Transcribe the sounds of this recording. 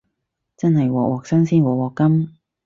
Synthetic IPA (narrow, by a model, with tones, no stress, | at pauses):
t͡sɐ˥nhɐ˨jwɔː˨˩kwʔɔː˨˩k̚sɐ˥ŋsiː˥nwɔː˨˩wɔː˨kːɐ˥m